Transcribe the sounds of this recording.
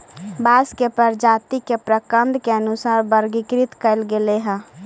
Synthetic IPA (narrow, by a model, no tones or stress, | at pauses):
baːskepəɾd͡ʒaːt̪ikepɾəkə̃nd̪keənʊsaːɾbəɾɡɪkɾɪt̪kəlɡeleɦɛ̃ː